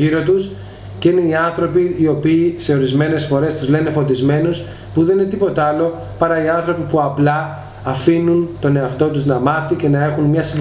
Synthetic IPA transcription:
iɾo̞t̪us | ceine̞iɐnθɾo̞piːo̞piːse̞o̞ɾizme̞ne̞sfo̞ɾe̞st̪uzle̞ne̞fo̞t̪izme̞nos | puðeninet̪ipo̞t̪ɐɐlo̞ | pɐɾɐiɐnθɾo̞pipuɐplɐː | finunt̪o̞ne̞ɐft̪o̞t̪uznɐmɐθice̞nɐe̞xunmɲɐsi

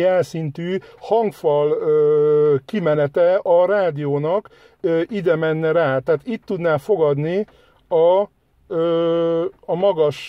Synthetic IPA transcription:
ɛlsint̪yːhɒŋkfɒløkimɛnɛt̪ɛɒɾaːd̪ijoːnɒk | øʔid̪ɛmɛnːɛɾaːt̪ɛaaːt̪it̪ːud̪naːfo̞ɡɒd̪ni | ɒ | mɒɡɒʃ

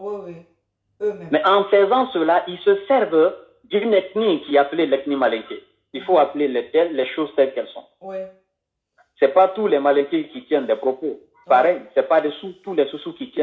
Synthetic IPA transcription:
mɛʔɑ̃fɛzɑ̃səlaʔilsəsɛɾv | d̪ynɛtnikiapəlelɛt̪nimalɛit̪e | ilfoapəlelɛt̪ɛlːɛʃozt̪ɛlkɛlsɔ̰̃ | sɛpat̪ulɛmalɛit̪ekit̪jɛnd̪ɛpɾopo | paɾɛjsɛpad̪ɛsut̪ulɛsusukit̪jɛ̃

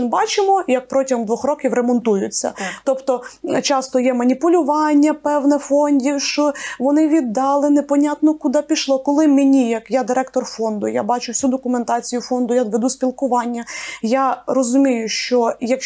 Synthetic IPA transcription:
nbɑt͡ʃɪmɔjɐk̚pɾɔtʲɐɦɔmd̪ʋɔxɾɔkʲiwɾemɔnt̪ujʊt͡sʲːɐ̰t̪ɔpt̪ɔt͡ʃɑst̪ɔjɛmɐnʲipʊlʲʊʋɑnʲːɐpɛwnɛfɔnʲdʲiʃt͡ʃɔʋɔnɪʋʲid̪ːɑlˠɪnepɔnʲat̪nɔkʊd̪ɑpʲiʃlˠɔkɔlˠɪmenʲijɐkjad̪ɪɾɛkt̪ɔrfɔnd̪ʊ̰ja̰bɑt͡ʃʊwsʲud̪ɔkʊment̪ɑt͡sʲijʊfɔnd̪ʊjad̪ʋed̪usʲpʲilˠkʊʋɑnʲːɐjarɔzʊmʲijʊʃt͡ʃɔjɐk

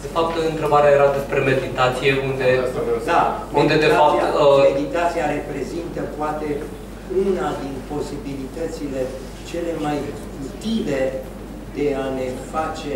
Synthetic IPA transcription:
d̪̥efap̚t̪ɨnt̪ɾe̞baɾeajeɾad̪e̞spɾe̞me̞d̪it̪at̪sije̞und̪e̞d̪amund̪e̞d̪efaapiaəmed̪it̪at̪sijaɾe̞pɾe̞zint̪əpoat̪e̞ | unad̪inpo̞sibilit̪ət̪sile̞ | t͡ʃe̞le̞maj | ut̪ive̞ | d̪e̞ane̞fat͡ʃe̞

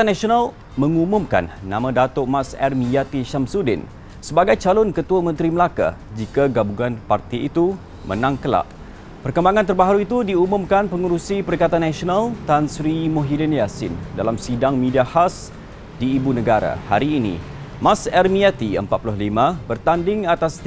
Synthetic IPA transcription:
anasional | mə̃ŋumumka̰nːãmãdat̪oʔmãsɛrmijat̪iʃamsudɪ̰n | səbaɡajt͡ʃalɔnkət̪uamə̃nt̪ɾiməlaka̰d͡ʒikaɡabuŋanpart̪iit̪u | mʔə̰̃nãŋkəla̰ʔ | pərkəmbaŋant̪ərbaɦaɾuit̪udiumʊ̃mkanpəŋuɾusipəɾikat̪anːãsonalt̪ansɾimoɦidinjasɪ̰ndalamsidaŋmĩdiahas | diːbunəɡaɾa̰ha̰ɾiːnḭ | masɛrmiat̪iə̰mpat̪̚pulʊhlimãbərt̪andɪŋat̪as

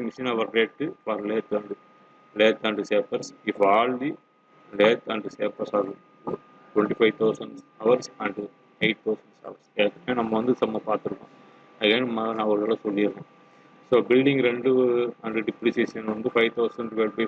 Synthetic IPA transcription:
mɪʂinɐʋɐɾɾeːʈːɯfɐɾleːt̪ɐɳɖɯ | leːt̪ɐɳɖɯseːpɐɾsɪfaːlli | leːt̪ɐɳɖuseːpɐɾsɐɾ | ʈwɛɳʈifɐɪʋt̪ʰɐʊsɐɳɖsɐʋɐɾsɐɳʈu | eɪʈ̚t̪ʰɐʊsɐ̃ɳɖsɐ̰ʋɐɾseðɯkːɐmeːnɐmːɐʋɐnd̪ɯsɐmːɐpaːɾt̪ɯɾɯkːõ̰ː | ɐɡeːnmɐnɐʋɐɾɐlɐsɔlːɪɾɯlẽː | soːbɪlɖɪ̃ŋɡɾɛɳɖɯɐɳɖɾɨɖɪpɾiseːsɐnʋɐnd̪ɯfɐɪʋt̪ʰɐʊsɐɳɖʋelbi

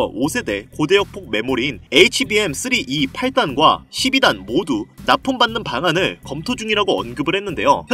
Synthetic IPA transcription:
ʌosʰe̞de̞kode̞jʌk̚pʰok̚me̞moɾiːne̞it͡ɕʰibie̞ms͈ɯɾiʔipʰaɭt͈anɡwa̰ɕʰibidanmodunapʰɯmbanːɯnpaŋanɯɭkʌmtʰod͡ʑuŋiɾaɡoʌ̰nɡɯbɯɭhe̞nːɯnde̞̰jo̰

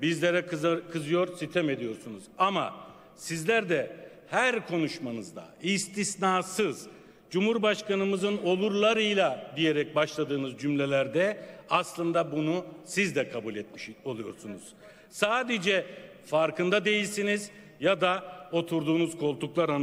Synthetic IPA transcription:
bizlʲeɾɛkkʰɯzɯjo̞ɾsit̪ʰeme̞d̪ijo̞ɾsunuzama̰ | sizlʲæɾd̪ɛ | hæɾkʰo̞nuʃmanɯzd̪a̰ist̪ʰisnaːsɯz̥ | d͡ʒumhuɾbaʃkanɯmɯzɯno̞lˠuɾlˠaɾɯjlˠad̪ije̞ɾɛc̚baʃlˠad̪ɯːnɯzd͡ʒymlʲe̞lʲæɾd̪ɛaslˠɯnd̪abunusizd̪ɛkʰabulʲet̪̚miʃo̞lˠujo̞ɾsunuz̥ | saːd̪ed͡ʒɛ | faɾkʰɯnd̪ad̪e̞jilʲsiniz | jad̪ao̞t̪ʰuɾd̪uːnuzkʰo̞lˠt̪ʰuklˠaɾan

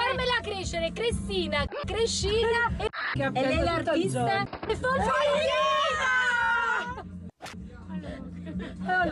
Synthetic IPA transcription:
armelakɾeʃːeɾekɾist̪iːnakɾeʃːiːnakaelaist̪aefosa

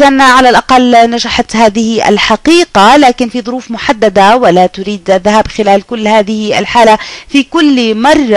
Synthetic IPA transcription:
aʔanʕalalʔɑqɑlːnaʃaħt̪haːðɪhɪʔa̰lħɑqiːqalaːkɪnfiːðˤʊɾuːfmʊħad̪ːad̪awɪlaːt̪ʊɾiːd̪ʔaðːahaːbxɪlaːlkʊlːhaːðɪhɪʔa̰lħaːlafiːkʊlːmɑrˤːɑ

